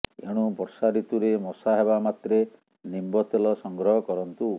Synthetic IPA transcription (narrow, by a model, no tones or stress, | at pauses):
ḛɽ̃upɔɾsaɾit̪uɾemɔsaɦebamat̪ɾe | nimbɔt̪elɔsɔŋɡɾɔɦɔkɔɾɔnt̪u